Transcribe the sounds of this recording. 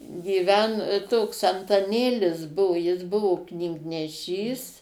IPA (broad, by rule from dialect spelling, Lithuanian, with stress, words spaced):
ɡʲiːˈʋʲɛn toːks ɐntɐˈnʲeːlʲɪs ˈbʊʋʊ jɪs ˈbʊʋʊ knʲiːɡnʲɛˈʃʲiːs